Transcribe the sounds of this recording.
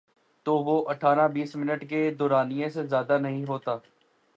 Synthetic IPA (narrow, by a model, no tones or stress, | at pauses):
t̪oːʋoːʔɐʈʰaːɾãbiːsmɪnəʈked̪ɔːɾaːnijẽsezjaːd̪anɐɦĩɦoːt̪aː